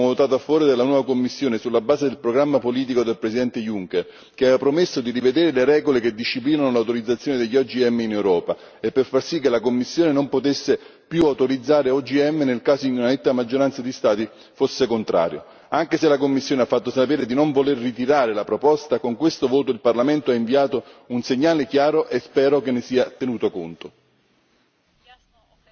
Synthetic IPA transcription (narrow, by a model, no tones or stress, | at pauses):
vot̪aːt̪oafːɔːɾed̪elːanwɔːvakomːisːjoːnesulːabaːzed̪elpɾoɡɾamːapoliːt̪̬ikod̪elpɾesid̪ɛnt̪ejuŋker | keaevapɾomesːod̪irived̪eːɾeleɾɛːɡoleked̪ːiʃːipliːnanolawt̪oɾid̪zat̪sjoːned̪eʎːiɔd͡ʒiɛmːeinewɾɔːpa | epːerfarsikːelakomːisːjoːnenompot̪esːepjuawt̪oɾid̪zːaːɾeɔd͡ʒiɛmːenelkaːzoinunanet̪ːamad͡ʒːoɾant̪sad̪ist̪aːt̪i | fosːekont̪ɾa̰ːɾjo̰ | aŋk̟eselakomːisːjoːneafːat̪ːosapeːɾed̪inoɱvolerːit̪iɾaːɾelapɾopɔst̪akoŋkwest̪ovoːt̪oilparlament̪oaiɱviaːt̪ounseɲːaːlek̟jaːɾoʔespɛːɾokenːesiːat̪enuːt̪okont̪o